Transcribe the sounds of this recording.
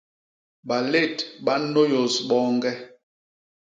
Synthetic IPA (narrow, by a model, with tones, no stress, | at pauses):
ɓa˨le˦˨tɓa˨˦no˦jo˨sɓɔ˦ŋɡɛ˦